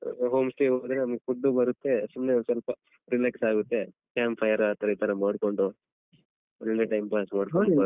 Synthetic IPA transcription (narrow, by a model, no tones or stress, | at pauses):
ɦoːmsʈeːɦoːd̪ɐɾenɐmɐɡefuɖːubɐɾut̪ːe̞sumnesɐlpɐ | ɾileksaːɡut̪ːe̞ | kaːmpʰɐjɐɾaːt̪ɐɾɐiːt̪ɐɾɐmaːɽkoɳɖu | ɐlːeʈɐjmpaːsmaːɽkoɖuɐ